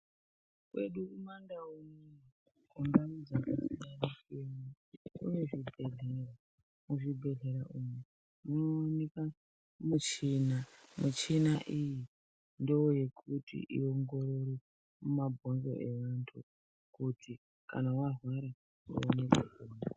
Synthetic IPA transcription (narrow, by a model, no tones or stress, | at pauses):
kwe̞̰ɗukumandaune | kumbamud͡zakasinanekemu | ṵneʐibʱe̞ɮera | muʐibʱe̞ɮe̞ɾaʔume | munoːneka | mut͡ʃinamut͡ʃinaʔiji | ndewoje̞kʰutḭʔḭo̞ŋɡo̞ɾo̞ɾi | mumabʱo̞nzo̞̰ʔeʋantʰu | kutʰi | ka̰nawarwaɾa | wo̰nekeee